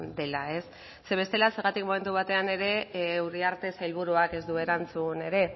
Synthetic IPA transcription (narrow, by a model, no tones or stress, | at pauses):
d̪e̞lae̞sː | e̞βe̞st̪e̞lase̞ɾɣat̪ikmo̞me̞nt̪uβ̞at̪e̞ane̞ɾe̞uɾiaɾt̪e̞sailβ̞uɾuake̞zd̪ue̞ɾant͡sune̞ɾe̞